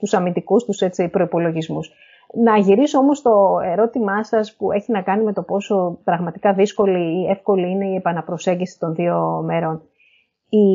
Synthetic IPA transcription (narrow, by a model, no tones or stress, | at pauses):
t̪usɐmind̪ikust̪use̞t͡sipɾo̞ipo̞lo̞ʝizmus | nɐʝiɾisoo̞mo̞st̪o̞e̞ɾo̞t̪imɐsɐspue̞çinɐkɐnime̞t̪o̞po̞so̞pɾɐɣmɐt̪ikɐðisko̞liːe̞fko̞liine̞iepɐnɐpɾo̞se̞ɲɟisi̥t̪o̞nðio̞me̞ɾo̞n | i